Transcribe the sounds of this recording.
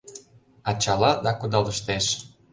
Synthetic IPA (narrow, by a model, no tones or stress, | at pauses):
ɑt͡ɕɑlɑd̪ɑkud̪ɑlə̆ʃt̪eʃ